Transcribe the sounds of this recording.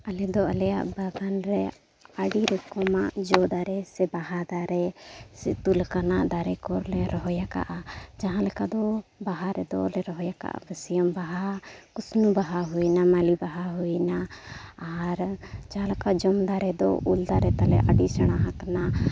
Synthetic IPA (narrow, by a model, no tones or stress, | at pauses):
ɐlɛd̪ɔəlɛja̰ʔbaɡanɾɛ | aɖiɾɛkɔmad͡ʒɔd̪aɾɛsɛbaɦad̪aɾɛsɛt̪ulkanad̪aɾɛkɔɾlɛɾɔɦɔjaka̰ʔad͡ʒaɦãlɛkad̪ɔbaɦaɾɛd̪ɔlɛɾɔɦɔjaka̰ʔa̰bəsijəmbaɦakusnubaɦaɦujnamalibaɦaɦujnaː | ɾd͡ʒaɦãlɛkaʔd͡ʒɔmd̪aɾɛd̪ɔ̰uld̪aɾɛt̪alɛ̰ʔaɖisəɽ̃aɦãkana